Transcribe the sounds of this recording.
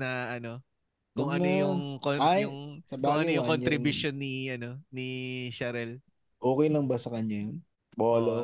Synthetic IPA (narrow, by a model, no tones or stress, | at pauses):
nɐʔɐno̞ | kʊŋʔɐnojʊŋkoajʊŋsɐkbaʊɡŋɐnojʊŋkonɾɪbuʃonːiʔɐno̞niʃɐɾɛl | ʔoːkɛjlɐŋbɐsɐkɐɲːajon | boːlo